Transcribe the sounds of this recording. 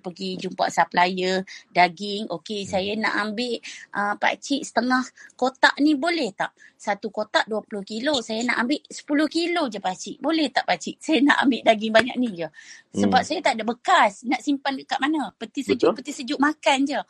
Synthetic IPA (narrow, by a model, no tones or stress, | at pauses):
pəɡid͡ʒumpa̰ʔsaplajədaɡɪŋokesajana̰ʔambɪʔʔəpa̰t͡ʃiʔsə̥t̪əŋahkot̪aʔnibolɛht̪a̰ʔsat̪ukot̪aʔduapulʊhkilosajana̰ʔambɪʔsə̥pulʊhkilod͡ʒəpat͡ʃiʔbolɛht̪aʔpat͡ʃiʔsajana̰ʔa̰mbɪʔdaɡɪŋbaɲa̰ʔ̚nid͡ʒəsəbap̚sajat̪aʔdaʔbəkasnaʔsimpanəkaʔmanəpət̪isəd͡ʒʊpət̪isəd͡ʒʊʔmakand͡ʒə